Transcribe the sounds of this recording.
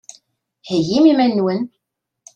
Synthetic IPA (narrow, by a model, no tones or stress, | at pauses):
hijimimænːwən